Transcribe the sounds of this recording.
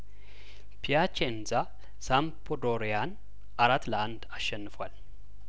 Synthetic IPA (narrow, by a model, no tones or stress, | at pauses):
pʰijat͡ʃenza | sampʰod̪oɾejan | ʔaɾat̪ːlɐand̪aʃːɛnːɨfwal